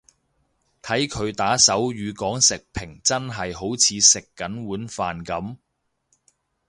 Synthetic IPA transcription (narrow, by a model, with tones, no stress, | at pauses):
t̪ʰɐ˨˥jkʰɵ˨˧ɥt̪aː˨˥sɐ˨˥wjyː˨˧kɔː˨˥ŋsɪ˨k̚pʰɪ˨˩ŋt͡sɐ˥nɦɐ˨jɦo˨˥wt͡sʰiː˨˧sɪ˨kːɐ˨˥nwuː˨˥nfaː˨nkɐ˨˥m